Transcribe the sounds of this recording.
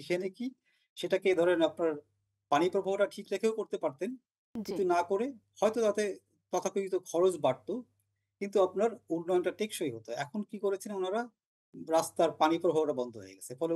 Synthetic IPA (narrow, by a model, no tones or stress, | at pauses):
ikʰeneki | ʃeʈakeed̪ʱɔɾenapnaɾ | panipɾobʱaɦoʈaʈʰikɾekʰeokoɾt̪epaɾt̪en | kkint̪unakoɾe | hɔjt̪ot̪at̪e | t̪ɔt̪ʰakod͡ʑit̪okʰɔɾod͡ʑbaɽ̚t̪o | kint̪uapnaɾunːɔjonʈaʈekʃojɦot̪oɛkʰonkikoɾet͡ɕʰenonaɾa | ɾast̪aɾpanipɾobʱaɦoʈabɔnd̪ʱoɦo̰jḛɡɛt͡ɕʰefɔle